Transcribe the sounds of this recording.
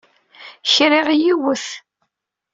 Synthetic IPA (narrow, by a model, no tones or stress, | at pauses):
çɾiʁjiwəθ